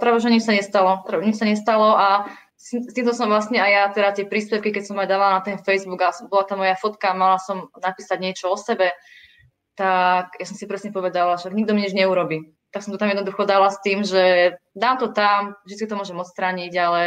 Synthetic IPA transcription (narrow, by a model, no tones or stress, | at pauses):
t̪ɾɛʋɛʒɛɲit͡ʃsaɲɛst̪alɔɾɛɲit͡ʃsaɲɛst̪alɔa | sst̪iːmt̪ɔsɔmʋlast̪ɲɛajat̪ɛɾat̪ɪɛpɾiːspɛwkikɛcsɔmajd̪aːʋalanat̪ɛnfɛjzbuɡasɔbɔlat̪aːmɔjafɔt̪kaːmalasɔmnapiːsaɟɲɪɛt͡ʃɔɔsɛbɛ | t̪aɡjasɔmsipɾɛsɲɛpɔʋɛd̪alaʃaɡɲiɡd̪ɔmiɲid͡ʒɲɛuɾɔbiː | t̪aksɔmt̪ɔt̪amjɛd̪nd̪uxɔd̪alast̪iːmʒɛd̪aːmt̪ɔt̪amvʒd̪itt͡skit̪ɔmɔʒɛmɔtt͡st̪ɾaːɲiɟalɛ